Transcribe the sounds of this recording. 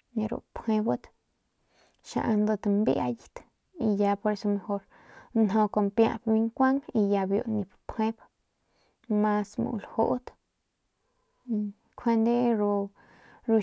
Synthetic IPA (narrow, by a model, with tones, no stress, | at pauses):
ni˧ɾṵ˨pʰhẽ˧bɨ˦t̪ | ʃã̰˧ʔa˧nd̪ɨ˧t̪mbi˦a̰˧ji˧t̪ | i˧ja˧po˧ɾe˧so˧me˧ho˧ɾ | nɦõ˧ko˧˨mpjã̰˧bbi˧ŋkʷa˦ŋi˧ja˧bjo̰˧ʔnĩ˧ppʰhẽ˦b | mã˧smṵ̃˨˧lho˦ʔt̪ | i˧ | kʰe˧nd̪e˦ɾu˧ | ɾu˧